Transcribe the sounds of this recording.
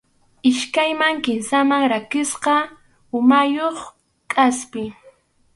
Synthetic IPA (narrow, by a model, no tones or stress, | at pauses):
ɪʃkajmaŋkɪnsamaŋɾakɪsqɑ | ʊmajoχ | kʼaspɪ